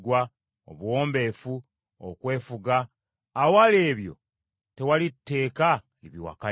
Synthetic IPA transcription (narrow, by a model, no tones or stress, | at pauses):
ɡwa | o̰βwo̞ːmbe̞fu | o̰kwe̞ːfuɡaː | wale̞ːβjo̞̰ | te̞walitːe̞ːka | liβiwa̰ka